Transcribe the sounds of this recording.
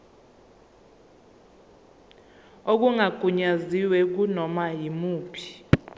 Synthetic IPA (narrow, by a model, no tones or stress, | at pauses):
ok̬uŋaɡ̥ʱuɲaziwɛk̬unɔmajimuːpʰi̥